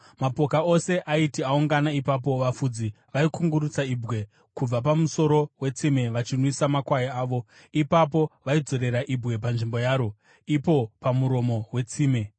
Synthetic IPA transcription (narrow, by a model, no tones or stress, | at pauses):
mapo̞kao̞se̞ʔaitiauŋɡanaipap̬o̞ʋafud͡zi | ʋaikuŋɡuɾut͡saibɣwe̞ | kub͡vap̬amuso̞ɾo̞we̞t͡simeʋat͡ʃinwisamakwajiaːʋo̞ | ipapo̞ʋaid͡zo̞ɾe̞ɾaʔibwe̞panʐimbo̞jaːɾo̞ | ipo̞pamuɾo̞mo̞we̞t͡siːme